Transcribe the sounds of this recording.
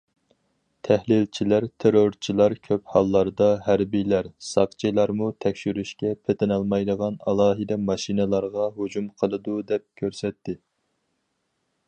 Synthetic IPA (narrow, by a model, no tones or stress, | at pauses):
t̪ʰɛhlɪlt͡ʃʰilæɾt̪ʰeɾoɾt͡ʃʰilˠɑɾkʲʰøphɑlˠːɑɾd̪ɑɦæɾbijlæɾsɑqt͡ʃʰilˠɑɾmut̪ʰɛkʲʃyɾyʃkʲɛpʰet̪ʰɪnɑlˠmɑjd̪əʁɑnɑ̰lˠɑːɦɨd̪ɛmɑʃinɨlˠɑɾʁɑɦud͡ʒumqʰəlˠɨd̪ud̪ɛp̚kʲʰøɾsɛt̪ʰːɪ